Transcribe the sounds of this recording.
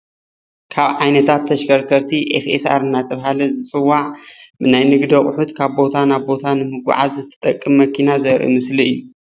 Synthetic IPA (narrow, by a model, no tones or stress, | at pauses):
kʰaβʕajnɐt̪ʰat̪ʰːɐʃkʰɐɾkʰɐɾt̪ʰiʔḛfḛsa̰ɾɨnːat̪ʰʼɐβhalɐzɨt͡sʼɨwːaʕbɨnajnɨɡd̪ɐχʼʊħut̪kʰaβbo̞t̪ʰanaβbo̞t̪ʰanɨmɨɡʷʊ̰ʕazɨt̪ʰːɨ̥t̪ʼɐkʼːɨmːɐkʰinazɐɾʔḭmɨsliɨjːu